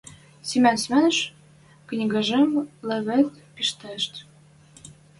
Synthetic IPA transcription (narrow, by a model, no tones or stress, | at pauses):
simʲænsmænʃ | knʲiɡɑʒemlĕβet̪ | piʃt̪æʃt̪